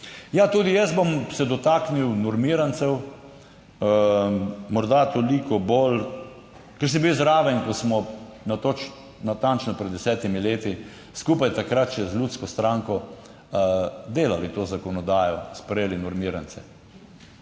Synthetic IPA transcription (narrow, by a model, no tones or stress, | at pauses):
jat̪uːd̪ijɛsbɔmsɛd̪ɔt̪aːkniwnɔɾmiɾant̪sɛw | mɔɾd̪at̪olikɔbol | kɛɾs̬ibiwzɾaːʋɛnkɔsmɔnat̪ot͡ʃ | nat̪ant͡ʃnɔpɾɛd̪d̪ːɛsɛːt̪imileːt̪i | skuːpajt̪akɾat̪ʃɛzlʲuːt̪skɔst̪ɾaːŋkɔ | d̪eːlalit̪oːzakɔnɔd̪aːjɔspɾɛjeːlinɔɾmiːɾant̪sɛ̰